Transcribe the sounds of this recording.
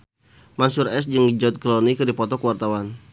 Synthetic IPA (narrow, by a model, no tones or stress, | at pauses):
mansurɛsd͡ʒəŋid͡ʒɔt̪̚klɔnikɨdipɔt̪ɔkəwart̪awan